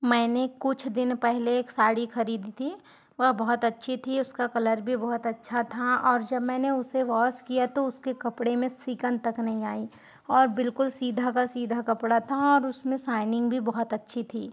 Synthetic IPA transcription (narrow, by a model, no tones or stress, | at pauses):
mɛ̃ːnekʊt͡ʃʰd̪ɪnpɛɦleːksaːɽixɐɾiːd̪it̪ʰi | ʋɐɦbɔɦɔt̪ɐtːʃʰit̪ʰiʊskakɐləɾbʱibɔɦɔt̪ɐtːʃʰat̪ʰaɔːɾd͡ʒɐbmɛːneʊseʋɔːskijat̪oʊskekɐpɽemẽsɪkə̃nt̪ɐknɐɦĩaːi | ɔːɾbɪlkʊlsiːd̪ʱakasiːd̪ʱakɐpɽat̪ʰaɔːɾʊsmẽsaːɪnɪ̃ŋɡbʱibɐɦɔt̪ɐtːʃʰit̪ʰiː